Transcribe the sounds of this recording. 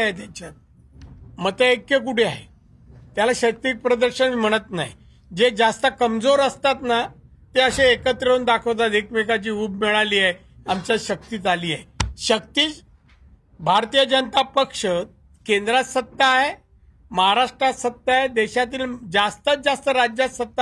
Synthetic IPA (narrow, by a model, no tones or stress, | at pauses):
et̪̬jat͡ɕa | mət̪əekjək̬uʈʰea̰ɦḛ | t̪jalaɕək̚t̪ik̚pɾəd̪əɾɕənm̤əɽ̃ət̪na̰ɦj | d͡ʑed͡zast̪əkəmd͡zoɾəst̪at̪na | t̪eəɕeːkət̪ɾənd̪akʰəʋt̪̬at̪ekmekat͡ɕiːuːbmɛɭaliːje | amt͡ɕjaɕək̚t̪iːt̪aliːjeɕək̚t̪iːt͡s | bʱaɾt̪ijəd͡ʑənət̪apəkʂə | kend̪ɾat̪sət̪ːaɦe | məɦaɾaʂʈɾat̪sət̪ːaɦed̪eɕat̪iːld͡zast̪əd͡zast̪əɾad͡ʑjat̪sət̪ːa